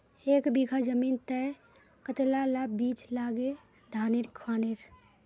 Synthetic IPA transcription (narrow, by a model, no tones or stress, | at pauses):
ekbiɡʰʱad͡ʒəmiːnt̪ə | kət̪lalabit͡ʃlaɡe | d̪ʱaːniɾkʰaːneɾ